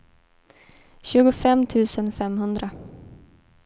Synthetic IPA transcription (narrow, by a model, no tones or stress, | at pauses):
ɕʉ̟ːɡʊfɛmt̪ʰʉ̟ːsənfɛmɦɵnd̪ɾa